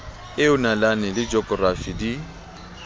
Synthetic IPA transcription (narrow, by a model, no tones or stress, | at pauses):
ɪʊnalanɛlɪd͡ʒɔkʼɔrafidi